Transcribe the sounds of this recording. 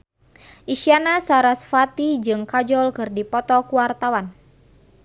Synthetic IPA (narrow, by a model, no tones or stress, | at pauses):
ʔiʃianasaɾasfat̪id͡ʒɨŋkad͡ʒɔlkɨrdipɔt̪ɔkuwart̪awan